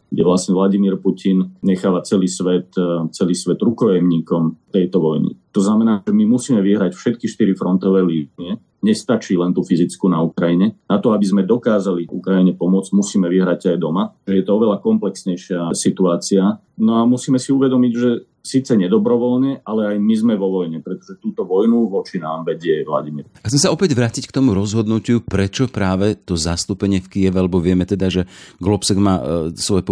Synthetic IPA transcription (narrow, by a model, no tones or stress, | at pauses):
ɡɟɛ̰ʋlasɲɛʋlaɟimiːɾpucʰinɲɛxaːʋat͡sɛliːsʋɛt̪t͡sɛliːsʋɛd̪ɾukɔjɛmɲiːkɔmt̪ɛjt̪ɔʋɔjnḭt̪ɔznamɛnaːɛmimusiːmɛʋiɦɾacfʃɛt̪kiʃt̪iɾifɾɔnt̪ɔʋɛːliːniɛ | ɲɛst̪at͡ʃiːlɛnt̪ufizit͡skuːnaukɾajiɲɛnat̪ɔabizmɛd̪ɔkaːzaliṵkɾajiɲɛpɔmʊɔd͡zmusiːmɛʋiɦɾaɟajd̪ɔmaʒɛjɛt̪ɔɔʋɛlakɔmplɛksɲɛjʃɪasit̪uaːt͡sia | nɔamusiːmɛsiuʋɛd̪ɔmiɟʒɛ | siːt͡sɛɲɛd̪ɔbɾɔʋɔlɲɛʔalɛajmizmɛʋɔʋɔjɲɛpɾɛt̪ɔ̥ʒɛt̪uːt̪ɔʋɔjnuʋɔt͡ʃinaːmʋɛɟɪɛʋla̰ɟimiɾaxt͡sɛmsaɔpɛɟʋɾatickt̪ɔmuɾɔzɦɔd̪nucupɾɛt͡ʃɔpɾaːʋɛt̪ɔzast̪upɛɲɪɛfkijɛʋalɛbɔʋɪɛmɛt̪ɛd̪aʒɛɡlɔpsɛɡmaːsʋɔjɛp